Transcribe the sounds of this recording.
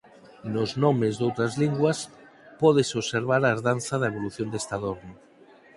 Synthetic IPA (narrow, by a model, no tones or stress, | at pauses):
noznɔmezðowt̪ɾɐzliŋɡwɐs | pɔðesoβseɾβ̞aɾaeɾðanθaðɐeβ̞oluθjond̪est̪aðoɾno